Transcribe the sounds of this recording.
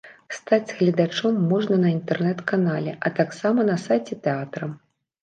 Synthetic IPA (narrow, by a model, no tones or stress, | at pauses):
st̪ad͡zʲɣlʲɐd̪at͡ʂɔmːɔʐnɐnɐint̪ɛrnɛt̪kanalʲɛʔɐt̪aksamɐnɐsajt͡sʲɛt̪ɛat̪ɾɐm